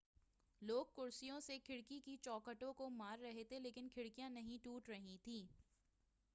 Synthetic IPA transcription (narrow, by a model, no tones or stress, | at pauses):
loːɡ̚kʊɾsijõsekʰɪɽkikit͡ʃɔːkəʈõkomaːɾːɐɦet̪ʰeleːkɪnkʰɪɽkijãnɐɦĩʈuːʈɾɐɦĩt̪ʰĩː